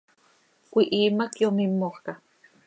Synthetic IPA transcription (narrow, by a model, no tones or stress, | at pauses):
kʷiʔiːmakjomimːoχka